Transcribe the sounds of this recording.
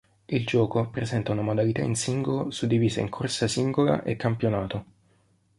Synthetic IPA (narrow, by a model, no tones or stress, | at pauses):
ild͡ʒɔːkopɾezɛnt̪aunamod̪alit̪a̰insiŋɡolosud̪ːiviːzaḭŋkʰorsasiŋɡola̰ʔekːampjonaːt̪o